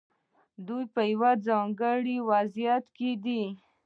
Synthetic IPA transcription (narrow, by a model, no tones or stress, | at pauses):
d̪ujpəjwad͡zɑŋɡəɽiwazjat̪ked̪i